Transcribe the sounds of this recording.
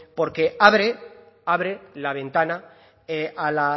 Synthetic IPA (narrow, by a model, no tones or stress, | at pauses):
po̞ɾke̞aβɾe | aβɾelaβ̞ẽ̞nt̪ana | eʔala